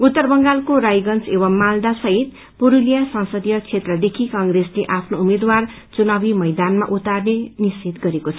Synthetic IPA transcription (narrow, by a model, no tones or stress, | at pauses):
ut̪ːʌrbʌŋɡalkoɾajɡʌnt͡seβʌmːald̪asʌɦit̪̚ | puɾulijasʌ̃nsʌd̪jʌt͡sʰet̪rʌd̪ekʰikʌŋɡresleʔapʰnoumed̪war | t͡sunabimʌjd̪anma̰ʔut̪arnenist͡sit̪ɡʌɾekot͡sʰʌ